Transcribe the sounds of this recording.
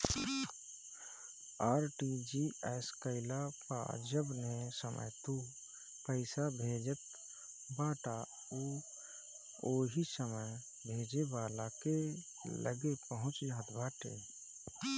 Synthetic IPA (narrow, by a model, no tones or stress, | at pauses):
aːɾʈid͡ʒiɛːskəɪlapa̰d͡ʒəbnesəmʔə̰jt̪u | pəɪsabʱeːd͡ʒət̪̚ | baːʈa | uː | oːɦisəməj | bʱeːd͡ʒebaːlake | lə̰ɡepəɦʊ̃t͡ʃd͡ʒaɦt̪baːʈe